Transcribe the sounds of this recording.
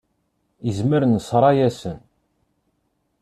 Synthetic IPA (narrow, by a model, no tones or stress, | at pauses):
əzməɾənəsɾˤɑjæsən